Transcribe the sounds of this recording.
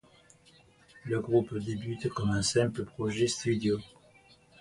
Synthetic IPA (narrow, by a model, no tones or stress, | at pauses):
ləɡʁupd̪ebyt̪kɔmɛ̃sɛ̃pləpχɔʒɛst̪ɥyd̪jo